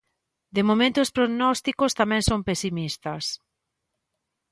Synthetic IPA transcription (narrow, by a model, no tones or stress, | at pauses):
d̪emomẽnt̪oːspɾonɔst̪ikost̪amɛ̃ŋsompesimist̪ɐs